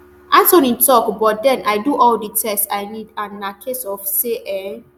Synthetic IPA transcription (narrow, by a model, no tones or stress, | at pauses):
ʔasõnĩntʰɔkbɔt̚dɛ̃nʔaɪduʔɔlditʰɛstaɪnidãnːakʰesɔfseʔɛ